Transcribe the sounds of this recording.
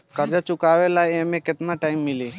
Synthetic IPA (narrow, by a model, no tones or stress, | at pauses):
kəɾd͡ʒat͡ʃʊkaʋelajemẽkɪt̪naʈaːɪmːɪli